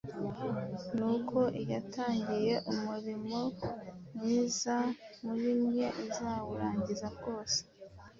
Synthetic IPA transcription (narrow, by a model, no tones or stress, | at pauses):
nukʰo̞ʔijataːɲɟije̞ʔumuɾimo̞mŋiːzamuβimɲe̞ʔizaːwuɾaːɲɟizaɾɡo̞ːse̥